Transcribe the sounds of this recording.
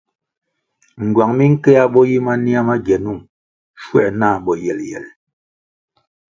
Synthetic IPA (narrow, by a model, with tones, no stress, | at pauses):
ŋ̩˨ɡwa˨ŋmi˦ŋ̩˦kɛ˦a˦ɓɔ˦ji˦ma˦ni˦a˦ma˦ɡɛ˨nu˦˨ŋ | ʃwɛ̰˦˨ʔna˦˨ɓɔ˨jɛ˨ljɛ̰˨l